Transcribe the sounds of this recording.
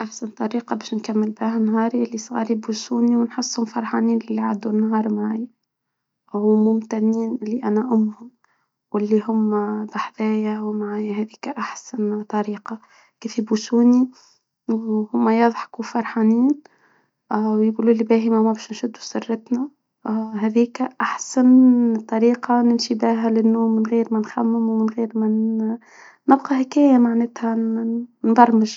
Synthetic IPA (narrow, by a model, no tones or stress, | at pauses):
ʔaħsant̪ˤːɑɾiːqɑbɛːʃnkamːɪlbæːɦanɦɑːɾiʔɪlːisˤɣɑ̰libusuːniwnħʊsˤːhʊmfɑɾˤħɑːniːnɪlːiʕad̪ːunːɦɑːɾˤmaʕaj | mʊmt̪ænːiːnɪlːiʔænæʔʊmːhʊm | wɪlːiɦʊmːbɑħðæːjawmaʕajhɛðiːkaʔaħsant̪ˤɑɾiːqɑ | kiːfibusuːni | whʊmːæjɑðˤħɑ̥kuwfɑɾˤħɑːniːn | wjɡuːlulːibæːɦimæmæbæːʃnʃʊd̪ːusɪrːɪt̪næ | ɦæðiːkæʔaħsant̪ˤːɑɾiːqɑnɪmʃibæːɦælɪnːuːmːɪnɣiːɾmænxæmːɪmwmɪnɣiːɾmænː | ɪbqɑhɪkæːjamaʕnæːt̪hæ | nb̪ˤɑrˤmɪʒ